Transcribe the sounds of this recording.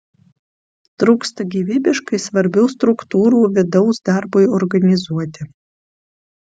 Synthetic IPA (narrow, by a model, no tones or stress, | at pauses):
t̪ɾuːkst̪ɐɡʲiːʋʲiːbʲɪʃkɐɪsʋɐɾʲbʲɛʊst̪ɾʊkt̪uːɾuːʋʲɪd̪ɒʊsd̪ɑɾbʊɪɔɾɡɐnʲɪzuɔt̪ʲɪ